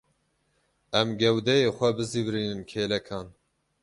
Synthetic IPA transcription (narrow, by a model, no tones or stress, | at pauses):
ɛmɡɛwd̪ɛjeːxʷɛbɨziːvɾiːnɨnkʰeːlɛkʰɑːn